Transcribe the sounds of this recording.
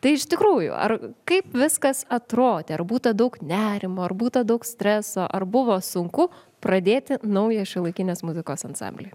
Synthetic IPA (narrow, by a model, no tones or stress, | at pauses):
t̪ɐɪɪʃt̪ʲɪkɾuːjʊ̰ɐ̰rkɐɪpʋʲɪskɐsɐt̪ɾoːd̪ʲeːɐrbuːt̪ɐd̪ɐʊknʲæːɾʲɪmoːɐrbuːt̪ɐd̪ɐʊksʲt̪ʲɾʲɛsoːʔɐrbʊʋoːsʊŋkʊ | pɾɐd̪ʲeːt̪ʲɪnɐʊjɛʃʲɪlˠɐɪkʲɪnʲeːsmʊzʲɪkoːsɐnsɑ̰ːmʲbʲlʲeːj